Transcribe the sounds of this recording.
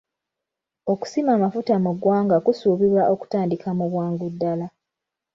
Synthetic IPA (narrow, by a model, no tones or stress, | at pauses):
o̞ku̥simaːmafutamuɡwaːŋɡakusuːβiβwaʔo̞ku̥taːndikamuβwaːŋɡudːala